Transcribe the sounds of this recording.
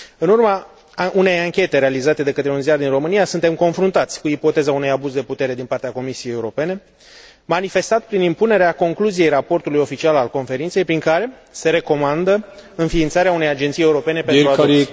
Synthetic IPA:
ɨnurmə | ʔune̞jaŋkʲe̞t̪e̞ɾealizat̪e̞d̪e̞kət̪ɾeunzijard̪inro̞mɨnijasunt̪e̞mko̞nfɾunt̪at̪sʲkuipo̞t̪e̞zaunejabuzd̪e̞put̪e̞ɾe̞d̪inpart̪eako̞misijejeuɾo̞pe̞ne̞ | manife̞st̪at̪pɾinimpune̞ɾeako̞ŋkluzije̞jrapo̞rt̪ulujo̞fit͡ʃialalko̞nfe̞ɾint̪se̞jpɾiŋkaɾe̞se̞ɾe̞ko̞mand̪əɨnfiːnt̪saɾeaune̞jad͡ʒent̪sije̞uɾo̞pe̞ne̞penɾua

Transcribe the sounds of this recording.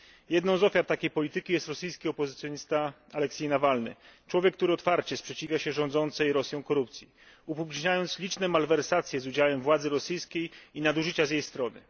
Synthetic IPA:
jɛd̪nɔ̃w̃zɔfʲjaɾt̪akʲejpɔlʲit̪ɘkʲijɛst̪ɾɔsɘjskʲiɔpɔzɘt̪sʲjɔɲist̪a | alɛksʲɛjnavalnɘ̰t͡ʂwɔvʲjɛkːt̪uɾɘɔt̪faɾt͡ɕɛspʂɛt͡ɕivʲjaɕɛʐɔ̃nd̪zɔnt̪sɛjɾɔsʲjɔ̃w̃kɔɾupt̪sʲji | upupʲlʲiʐɲajɔnt̪slʲit͡ʂnɛmalvɛɾsat̪sʲjɛzud͡ʑawɛmvwad̪zɘɾɔsɘjskʲejinad̪uʐɘt͡ɕazjejst̪ɾɔnɘ̰

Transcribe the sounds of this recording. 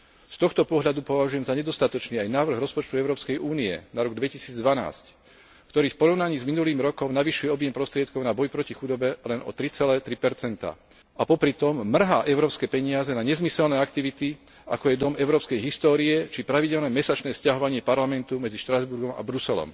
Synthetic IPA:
st̪ɔxt̪ɔpɔɦʎad̪upɔʋaʒujɛmzaɲɛd̪ɔst̪at̪ɔt͡ʃniːajnaːʋɾr̩ɣɾɔspɔt͡ʃt̪uɛʊɾɔːpskɛjʔuːniɛ̰naɾɔɡd̪ʋɛcisiːd͡zd̪ʋana̰ːsc | kt̪ɔɾiːfpɔɾɔʊnaɲiːzminuliːmɾɔkɔmnaʋiʃujɛɔbjɛmpɾɔst̪ɾɪɛt̪̚kɔʊnabɔjpɾɔcixud̪ɔbɛlɛnɔ̰t̪ɾit͡sɛlɛːt̪ɾipɛɾt͡sɛnt̪a̰ | ʔapɔpɾit̪ɔmːr̩ɦaːʔɛʊɾɔːpskɛːpɛɲɪazɛnaɲɛzmisɛlnɛːakt̪iʋit̪i | a̰kɔjɛd̪ɔmɛʊɾɔːpskɛjɦist̪ɔːɾiɛt͡ʃipɾaʋiɟɛlnɛmɛsat͡ʃnɛːscaɦɔʋaɲɪɛpaɾlamɛnt̪umɛd͡ziʃt̪ɾazbuɾɡɔma̰bɾusɛlɔ̰m

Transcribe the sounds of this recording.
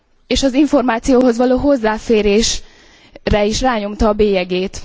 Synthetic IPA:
eːʃɒziɱfo̞rmaːt̪sijoːɦo̞zʋɒloːɦo̞zːaːfeːɾeːʃ | rɛiʃraːɲo̞mt̪ɒːbeːjɛɡeːt̪

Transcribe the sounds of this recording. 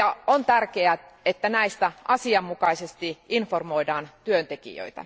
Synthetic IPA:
ɑont̪ærkeæet̪ːænæist̪æʔɑsiɑmːukɑisest̪iʔinformoidɑːnt̪yønt̪ekḭjø̰it̪æ̰

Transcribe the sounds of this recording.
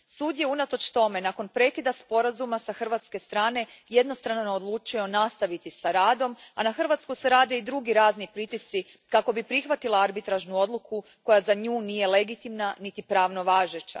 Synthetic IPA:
suːd̪je̞unat̪o̞t͡ʃt̪o̞me̞nako̞npɾe̞kid̪aspo̞ɾazumasaxr̩ʋat̪ske̞st̪ɾaːne̞je̞d̪nost̪ɾanood̪lˠuːt͡ʃijo̞nast̪aʋit̪isaɾaːd̪o̞manaxr̩ʋat̪skuseɾaːd̪e̞id̪ɾuɡiɾaːznipɾit̪ist̪si | kako̞bipɾixʋat̪ilaaɾbit̪ɾaʒnuo̞d̪lˠuku | ko̞jazaɲuːnije̞le̞ɡit̪imnanit̪ipɾaːʋno̞ʋaːʒet͡ɕa̰

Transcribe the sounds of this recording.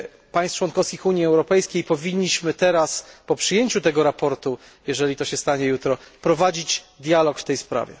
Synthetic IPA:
paj̃st͡ʂwɔnkɔfskʲixuɲjiɛwɾɔpɛjskʲejpɔvʲiɲːiɕmɘt̪ɛɾaspɔpʂɘjeɲt͡ɕut̪ɛɡɔɾapɔɾt̪u | jɛʐɛlʲit̪ɔɕɛst̪aɲɛjut̪ɾɔpɾɔvad͡ʑit͡ɕd̪ʲjalɔkft̪ɛjspɾa̰vʲjɛ̰

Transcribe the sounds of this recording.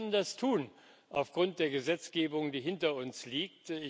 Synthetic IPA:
nndastʰuːn | ʔaʊfɡ̥ʁʊnt̚d̥eːɐɡəzɛt͡sɡ̥eːbʊŋdiːɦɪntɐʊnsliːk̚tɪ

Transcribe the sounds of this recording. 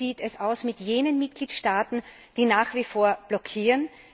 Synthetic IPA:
iːtɛsaʊsmɪtjeːnənmɪt̚ɡ̥liːtʃtaːtn̩ | d̥iːnaːxv̥ifoːɐb̥lɔkʰiːʁən

